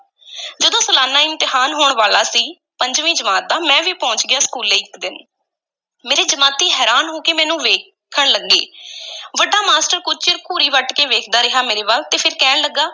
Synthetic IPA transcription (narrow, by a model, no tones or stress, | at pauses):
d͡ʒəd̪õːsəlaːnaːɪ̃nt̪ɪɦaːnɦoːɳʋaːlaːsiː | pəɲd͡ʒʋĩːd͡ʒəmaːt̪̚d̪aːmɛ̃ːʋiːpɔ̃ːɲt͡ʃɡɪjaːskuːleːɪkd̪ɪn | meːɾeːd͡ʒəmaːt̪iːɦɛːɾaːnɦoːkeːmɛ̃ːnũːʋeː | kʰəɳləɡːḛːʋəɖaːmaːsʈəɾkʊt͡ʃt͡ʃɪɾkuːɾiːʋəʈkeːʋeːkʰd̪aːɾɪɦaːmeːɾeːbaːlt̪eːpʰɪɾkɛːnləɡːaː